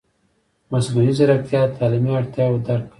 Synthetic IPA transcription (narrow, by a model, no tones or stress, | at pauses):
masɡunizaɾak̚t̪jɑt̪ʰɑlimiaɽt̪jɑwd̪aɾ̚